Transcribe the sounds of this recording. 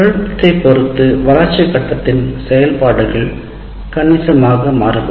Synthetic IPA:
ɐɻɯpːɐt̪ːɐɪpːɔɾɯt̪ːɯʋɐlɐɾt͡ʃːɪkːɐʈːɐt̪ːɪnsɛjɐlpaːɽɯɣɐɭ | kɐnɪsɐmaːɣɐmaːɾɯʋɯ

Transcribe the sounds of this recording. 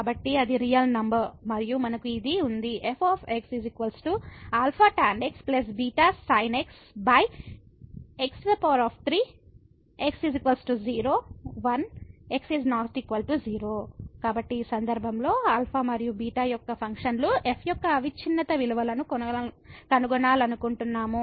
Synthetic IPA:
aːbɐʈːiɐd̪iɾijɐlnɐmbɐɾmɐɾijumɐnɐkuid̪iund̪iʔepʰaːpʰeksizikʋɐlsʈuaːlpʰaːʈaːɳɖeksplɐs̬biːʈaːsɐjneks | bɐj | eksd̪ɐpoːɾaːpʰt̪ʰɾiː | eksizikʋɐlsʈuziːɾo̞ːʋɐneksiznaːɾt̪ʰikʋɐlʈuziːɾoːkaːbɐʈːiːsɐnd̪ɐɾbʱɐmlo̞ːaːlpʰaːmɐɾijubiːʈaːjɔkːɐpʰɐŋkʂɐnluʔepʰjɔkːɐːʋit͡ʃʰinːɐt̪ɐʋiluʋɐlɐnu | kɐnuɡɔɳaːlɐnukuɳʈunːaːmu

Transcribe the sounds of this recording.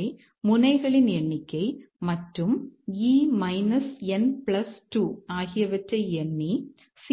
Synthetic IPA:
ɪ | mʊnɐɪɣɐɭɪnɛɳːɪkʲːɐɪ | mɐʈrɯmiːmɐɪnɐsɛnpɭɐsʈuːaːɣɪjɐʋɐʈrɐɪɛnːi | s

